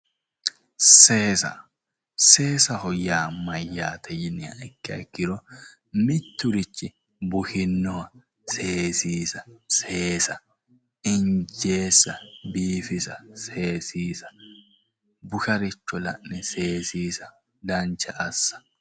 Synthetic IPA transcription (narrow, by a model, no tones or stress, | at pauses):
seːsɐ̰ | se̞ːsɐhɔjaːmɐjːaːt̪ʰɛjɪnɪɐ̰ʔɪkːɪɐ̰kːɪɾɔ | mɪt̪ːʊɾɪt͡ʃːɪ | bʊhɪnːɔɐ | se̞ːsiːsɐse̞ːsɐ | ɪnd͡ʒeːsːɐbiːfɪsɐse̞ːsiːsɐ̥ | bʊkɐɾɪt͡ʃːɔlɐ̰ʔnɛse̞ːsiːsɐ | dɐnt͡ʃɐʔɐsːɐ̥